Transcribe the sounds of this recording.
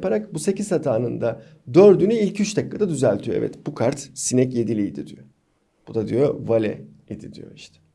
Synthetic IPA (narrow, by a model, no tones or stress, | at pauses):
paɾakbuse̞cizhat̪ʰaːnɯnd̪a | d̪øɾd̪ynyilʲcʰyt͡ʃd̪akːad̪ad̪yzælʲt̪ʰyjɛ̰vɛ̰t̪b̥ukʰaɾt̪sinɛcje̞d̪ilʲijd̪id̪ijo | b̥ud̪ad̪ijovalʲɛ̰ | id̪id̪ḭjo̞̰iʃt̪ʰɛ̥